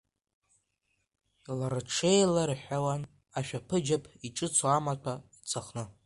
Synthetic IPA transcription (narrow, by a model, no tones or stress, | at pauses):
laɾaʈ͡ʂʰejlarħawan | aʃᶣapʰɨd͡ʒapʰiʈ͡ʂʼɨt͡sʰaamatʷʰait͡sʼaχnɨ